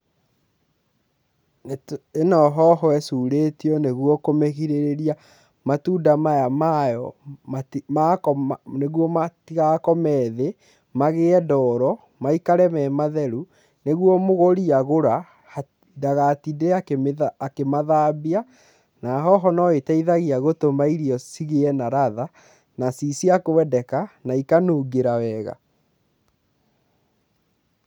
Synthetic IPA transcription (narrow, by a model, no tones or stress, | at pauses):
enɔɦɔɦɔɛsuɾetiɔneɣwɔkomeɣiɾeɾeɾia | matuːdamajamajɔmamakɔneɣwɔmatiɣakɔmɛðe | maɣeɛdɔɾɔ | maikaɾɛmɛmaðɛɾu | neɣwɔmoɣoɾiaɣoɾa | daɣatideakeakemaðaːbia | naɦɔɦɔnɔetɛiðaɣiaɣotomaiɾiɔsiɣeɛnaɾaða | nasisiakowɛdɛkanaikanoːɡeɾawɛɣa̰